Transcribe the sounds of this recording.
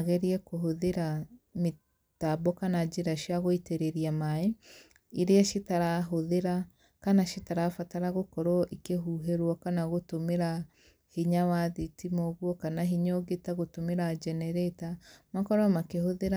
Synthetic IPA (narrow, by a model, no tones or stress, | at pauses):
aɣɛɾiɛkoɦoðeɾame | tabɔkanad͡ʒeɾaʃjaɣoiteɾeɾiamae | iɾeaʃetaɾaɦoðeɾa | kanaʃetaɾafataɾaɣokɔɾɔʔikeɦuːɦeɾwɔkanaɣotomeɾa | hiɲawaðitimɔɣwɔkanaɦiɲoɣetaɣotomeɾad͡ʒɛnɛɾɛtamakɔɾɔmakehoðeɾa